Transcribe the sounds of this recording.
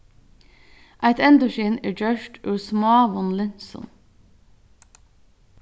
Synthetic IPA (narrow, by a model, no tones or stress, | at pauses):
ʔæɪt̪ɛnd̪ʉʃiːneːd͡ʒœʃʈʰʉːsmɑːʋɔnlɪnsɔ̰n